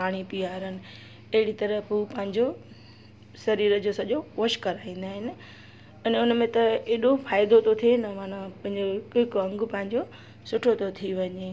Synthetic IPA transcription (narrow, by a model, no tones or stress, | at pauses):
paːɽ̃ipiaːɾənɪ̆ | ɐɦɪɽit̪ɐɾəpɦupɐ̃ɦɪ̃ɲd͡ʑo | sɐɾiːɾəd͡ʑosɐʄoʋʊʃkɐɾaːĩːn̆d̪aːɦɪnɪ̆ | ɐnʊnmẽt̪ɐeːɗofaːɪd̪ot̪ʰot̪ʰienɐmãːnãpɐ̃ɦɪ̃ɲd͡ʑokɪkɐ̃ŋɡʊpɐ̃ɦɪ̃ɲd͡ʑo | sʊʈʰot̪ʰot̪ʰiʋɐɲe